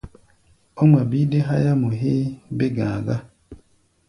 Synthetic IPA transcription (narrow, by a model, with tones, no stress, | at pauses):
o˦m˨a˨bi˦de˦ɦa˦ja˦mo˨ɦeː˦be˦ɡã̰ː˨ɡa˦